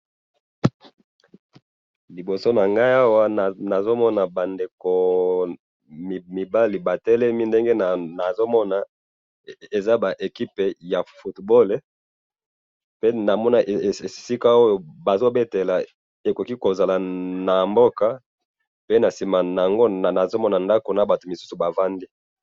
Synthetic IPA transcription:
li˨bo˨so˦na˨ŋɡa˦i˦a˦wa˦˨na˨zo˦mɔ˦na˨ba˨nde˨ko˨ | m˨mi˨ba˦li˨ba˨tɛ˦le˦mi˦nde˦ŋɡe˦n˨na˨zo˦mɔ˦na˨ | e˨za˦ba˨ʔe˨ki˦pe˨ja˨fu˦tbo˦le˨ | pe˦na˨mɔ˦na˨ʔe˨si˦ka˦o˦jo˨ba˨zo˦be˦te˨la˨ | e˨ko˨ki˦ko˨za˨la˨na˨mbo˦ka˦ | pe˦na˨si˨ma˨na˨a˨ŋɡo˦˨na˨zo˦mɔ˦na˨nda˦ko˨na˨ba˨to˨mi˨su̥˦su˨ba˨va˦ndi˦

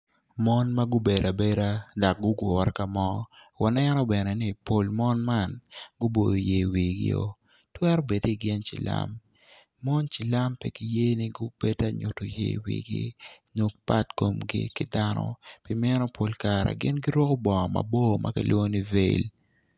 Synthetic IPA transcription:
mɔ˦nma˦ɡʊ˦be˨da˨be˦ɾa˦da˨k̚ɡʊ˦ɡwɔ˨ɾka˨mɔ˦ | wa˨nɛ˦nɔ˦bɛ˨nɛ˨ni˦˨po˨lmɔ˦nma˦˨nɡʊ˦bo˨do˨je˨wi˨ɡɪ̰˦o̰˨ | twɛ˦ɾo˦be˨di˨ɡɪ˦nt͡ʃḭ˨la̰˦mː | ɔ˦nt͡ʃi˨la˦mpɛ˦ki˨je˦ni˦ɡʊ˦b̥e˦da˦ɲʊ˨to˨jḛ˦wḭ˨ɡḭ˦no˨k̚pa˦tko˨mɡḭ˦kɪ˦da˦nɔ̰˦pi˦mɛ˦nɔ˦pʰo˨lkaɾa̰˨ɡɪ̰˦nɡi˦ɾwɔ˦ko˦bɔ˨ŋɔ˨ma̰˨bo˦mʔa̰˦kḭ˦lwo˦ni˦ve˦˨l

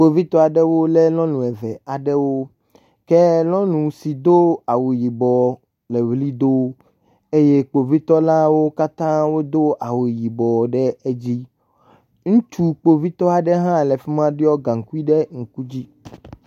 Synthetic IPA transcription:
k͡po˨vi˦t̪ɔ˦a˨ɖɛ˦wo˦lɛ˦lɔ̃˦nũ˨ɛ˨vɛ˨a˨ɖɛ˦wo˦ | kɛ˦lɔ̃˦nũ˨si˨d̪o˦a˨wu˨ji˨bɔ˨ | lɛ˨vli˦d̪o˦ | e˦je˦k͡po˨vi˦t̪ɔ˦la˦wo˦ka˦t̪ã˦wo˦d̪o˦ʔa˨wu˨ji˨bɔ˨ɖɛ˦e˦d͡ʑi˦ | ŋũ˦t͡ʃu˦k͡po˨vi˦t̪ɔ˦a˨ɖɛ˦ɦã˦˨lɛ˨fi˦mã˦ɖi˦ɔ˦ɡã˨ŋ̩˨ku˦i˦ɖɛ˦ŋ̩˨ku˦d͡ʑi˦

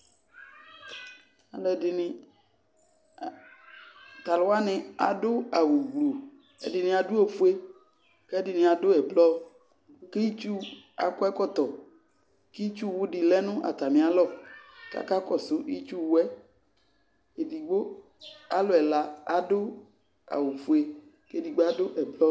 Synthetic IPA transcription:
a˨lɔ˦ɛ˨dɪ˨nɪ̃˦ | t̪a˨lʊ˨˦a˦nɪ̃˨a˨dʊ˦a˨wu˨ɡ͡blo˨ | ḛ˨dɪ˨nɪ̃˨a˨du˦o˦fu˦e˦ | kɛ˦dɪ˨nɪ̃˨a˨do˦ɛ˨blɔ˦ | ki˦i˦t͡ʃu˦ | a̰˨kɔ˦ɛ˦kɔ˦t̪ɔ˨ | ki˦i˦t͡ʃu˦wu˦ɖi˨lɛ˦nʊ̃˦ʔa̰˨t̪a˨mĩ˨a˨lɔ˦ka̰˦ka˦kɔ˨sʊ˦ʔi˦t͡ʃu˦wɛ˦ | e˨di˨ɡ͡bo˦ | a˨lo˨ɛ˨la˦a˨dʊ˦ | a̰˨wu˨fu˨e˦ | ke˦di˨ɡ͡bo˦a˦do˦ʔɛ˨blɔ˦

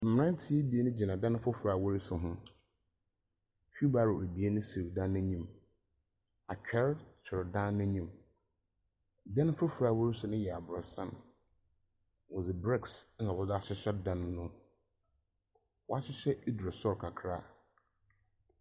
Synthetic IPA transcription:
m̩˨m˨ɾã˦n˦tʰɪ˦e˦bi˨e˦nʊ̃˦d͡ʑi˨nã˨dã˦ñ˦fʊ˦fu˨ɾa˨wɔ˦ɾi˦sʊ˨ɦʊ̃˦ | kʰᶣu˦ba˦ɾʊ˨e˨bi˨e˦nʊ̃˦si˨dã˦nːɛ̃˦ɲĩ˦m | a˨t͡ɕᶣʰɛ˦ɾt͡ɕʰɪ˨ɾdã˦nːɛ̃˦ɲĩ˦˨m | dã˦n˦fʊ˦fu˨ɾa˨wɔ˦ɾi˦sʊ˦nʊ̃˦jɛ˨a˨bʊ˨ɔ˨sã̰˦n | wɔ̃˨zɪ˨bɾɛ˦ks̩˦a˨bɔ˦da˦ɕɪ˦ɕɛ˦dã˦nːʊ̃˦ | wɔ˦a˦ɕɪ˦ɕɛ˦i˦dɾɪ˨sɔ˦ɾkʰa˨kʰɾa̰˦

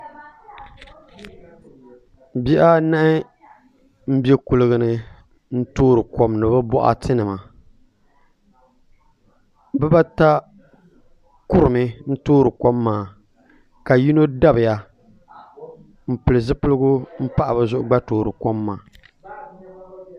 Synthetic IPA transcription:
bi˦ʔa˦na˦ʔɪ˦ | m̩˦bje˦kʊ˨lɨ˨ɡɨ˨nɨ˨ | n̩˦toː˦ɾɨ˨kɔ˦mnɨ˨ba˦bɔ˦ʔa̰˦tʰɨ˦nɨ˨ma˨ | bɛ˦ba˦ta˦ | kʊ˦ɾɨ˨mɨ˦n̩˦toː˦ɾɨ˨ko˦mːaː˨ | ka˨ji˦no˦da˦bɨ˨ja˨ | m̩˦˨pɨ˨lɨ˨zɨ˦pɨ˦lɨ˦ɡʊ˦m̩˦pa˦ʔa˨bɨ˨zʊ˦ʔʊ˨ɡ͡ba˦toː˨ɾɨ˨ko˦mːa̰ː˨

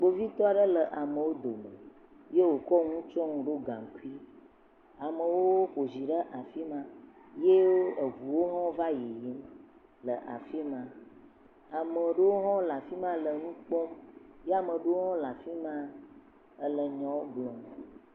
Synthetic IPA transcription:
ɡ͡bo˦vi˦t̪ɔ˦a˨ɖə˦lə˨ʔa˨mə̃˨wo˦d̪o˨mə̰˨ | je˦wo˨kɔ˦ŋũ˦t͡ʃɔ˦ŋũ˨ɖo˦ɡã̰˨ŋ˨ku˦i˦ | a˨mə˨wo˦ɸo˨zi˨ɖə˦ʔa˨fi˦mã˦ | je˦woo˦ə˨vu˨wo˦ɦɔ̃˦va˦ji˨ji˨˦m | lə˨ʔa̰˨fi˦mã˨ | a˨mə˨ɖe˦wo˦ɦɔ̃˦la˨fi˦mã˦lə˨nũ˦k͡pɔ˦mje˦a˨mə˨ɖə˦wo˦ɦɔ̃˦la˨fi˦mã˦ | ə˦lə˨ɲɔ̃˨˦wo˦blɔ̃˨m˨

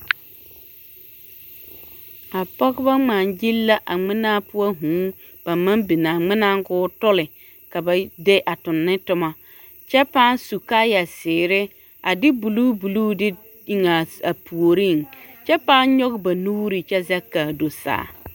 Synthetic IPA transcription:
a˨pɔ˦ɣba˦ŋ͡ma˨nd͡ʒi˦lːa˦ʔa˨ŋ͡mɪ˦na˦pʊ˦a˦ɦũː˨˦ | b̥a˨ma˦mbi˨na˨ŋ͡mɪ˦na˦ŋ˦ɡʊː˦tʊ˦lɪ˨ | ka˨ba˨de˦ʔa˨tʊ˨nːɪ˦tʊ˦ma˨ | t͡ʃɛ˦paː˦n˦su˨ka˦ja˨sɪː˨ɾɪ˦ | a˨dɪ˦bu˨luː˦bu˨luː˦dɪ˦ | i˨ŋa˨a˨pʰu˨o˨ɾi˦˨ŋt͡ʃɛ˦paː˦n˦ɲɔ˦ɡba˨nuː˦ɾi˨t͡ʃɛ˦za˦kːaː˨do˨sa̰ː˨˦˨

